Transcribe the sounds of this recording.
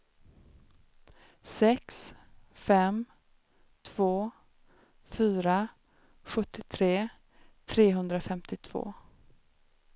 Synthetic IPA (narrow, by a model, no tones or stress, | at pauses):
sɛksfɛm | t̪ʰv̥oː | fyːɾa | ɧɵt̪ːɪt̪ʰɾeː | t̪ʰɾeːɦɵnd̪ɾafɛmt̪ɪt̪ʰv̥o̰ː